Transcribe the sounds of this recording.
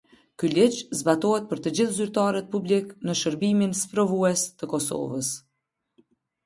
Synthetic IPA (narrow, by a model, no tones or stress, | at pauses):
kylit͡ɕzbat̪ɔhɛt̪̚pəɾt̪əd͡ʑiθzyɾt̪aɾət̪̚publiknəʃəɾbiminspɾɔvuɛst̪əkɔsɔ̰vəs